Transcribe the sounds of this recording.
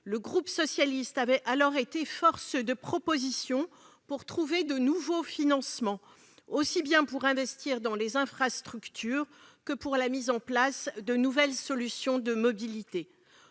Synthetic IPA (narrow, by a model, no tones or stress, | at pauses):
ləɡʁupsɔsjalist̪avɛʔalɔʁet̪efɔʁsd̪əpχɔpozisjɔ̃ | puʁt̪χuved̪ənuvofinɑ̃smɑ̃ | osibjɛ̃puʁɛ̃vɛst̪iʁd̪ɑ̃lezɛ̃fχast̪χykt̪ʰyːʁkəpuʁlamizɑ̃plasd̪ənuvɛlsɔlysjɔ̃d̪əmɔbilit̪e